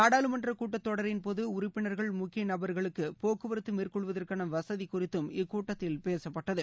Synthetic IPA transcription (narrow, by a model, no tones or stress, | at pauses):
naːɽaːlɯmɐndrɐkuːʈːɐt̪ːɔɽɐɾɪnpoːðɯʊɾʊpːɪɳɐɾɣɐɭmʊkːɪjɐnɐbɐɾɣɐɭɯkːɯpoːkɯʋɐɾɯt̪ːɯmiːrkɔɭʋɐðɐrkaːnɐʋɐsɐðikʊrɪt̪ːɯmɪkːuːʈːɐt̪ːɪlpeːsɐpːɐʈːɐðɯ